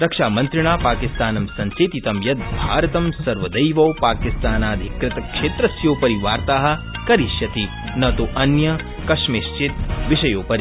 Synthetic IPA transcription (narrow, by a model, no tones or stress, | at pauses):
ɾɐkʂaːmɐnt̪ɾɪɳaːpaːkist̪aːnɐmsɐɲt͡ʃeːt̪it̪ɐmjɐt̪̚bʱaːɾɐt̪ɐmsɐɾʋɐd̪ɐjʋɐwpaːkist̪aːnaːd̪ʱikɾɪt̪ɐkʂeːt̪ɾɐsjoːpɐɾiʋaːɾt̪aːɦɐ̆ | kɐɾiʃjɐt̪i | nɐt̪oʔɐnjɐ | kɐʂmeːʃt͡ʃit̪ʋiʃɐjoːpɐɾi